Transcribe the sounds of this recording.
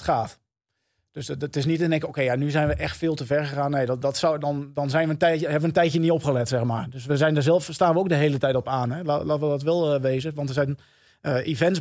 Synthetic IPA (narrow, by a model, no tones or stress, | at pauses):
χaːt | d̥østɪs̬nitɪndɛŋkəowkejanyzɛjnʋəʔɛxtfɪːlˠtəvɛɹχəχaːnːejddɔtsdɔndɔnzɛjnʋəntɛəɛbənʋəntɛjtjəniɔpχəlɛtsɛxmaːɹdøsʋəzɛjndəɹzɛlˠfstaːnʋəowk̚dəɦeːlətɛjtɔpaːnɦɛlalaːtəʋədɔtʋɛlˠəʋeːzəʋɑntəɹzɛjn | əʔivɛnts